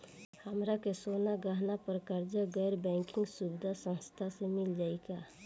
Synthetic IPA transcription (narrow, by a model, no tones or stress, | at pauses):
həmɾakesonaɡəɦnapəɾkəɾd͡ʒəɡɛːɾbɛ̃ŋkɪ̃ŋɡsubɪd̪ʱasə̃nst̪ʰasemɪld͡ʒaːɪka